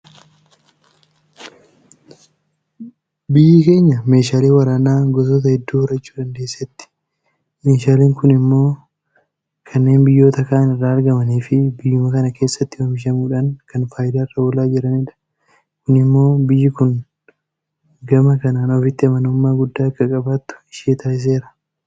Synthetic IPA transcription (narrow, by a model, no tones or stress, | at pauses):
bɪjːɪke̞ːɲːɐme̞ːʃaːliːwɐɾaːnaːɡɔs̬ot̪̬ɐhɛd̪ːuːʊɾɐt͡ʃːuːᶑɐnd̪e̞ːsːɛt̪ːɪ̥ | meːʃaːliːŋkʊnɪmːo̞ː | kʰɐnːe̞ːnbɪjːo̞ːt̪ɐkaːnɪrːaːɐɾɡɐmɐniːfɪbɪjːʊmɐkɐnɐke̞ːsːɐt̪ːɪwɐmɪʃ̬ɐmuːᶑaŋkɐnfaːjɪd̪aːɪrːɐbɔlaːd͡ʒɪɾɐniᶑɐ̥ | kʊnɪmːo̞ːbɪjːɪkʊn | ɡɐmɐkɐnaːnɔfɪt̪ːɪɐmɐnʊmːaːɡʊd̪ːaːɐkːɐkʼɐbaːt̪ːʊ̥ɪʃeːt̪aːɪs̬e̞ːɾɐ̥